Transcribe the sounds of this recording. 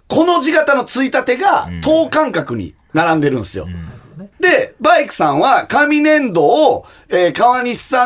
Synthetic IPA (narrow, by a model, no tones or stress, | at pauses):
ko̞no̞ʑiɡat̪ano̞t͡sɨit̪at̪e̞ɡat̪ʰo̞ːkãŋkakɯ̟ɲ̟ḭ | naɾãnd̪e̞ɾɯ̟̃ñsɨjo̞̰d̪e̞baikɯ̟̥sãɰ̃βakamʲinẽ̞nd̪o̞ː | eːkaβaɲ̟iɕi̥sã